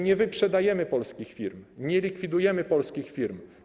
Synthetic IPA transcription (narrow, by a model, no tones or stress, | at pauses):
ɲɛvɘpʂɛd̪ajɛmɘpɔlskʲixfʲiɾmɲɛlʲikfʲid̪ujɛmɘpɔlskʲixfʲiɾm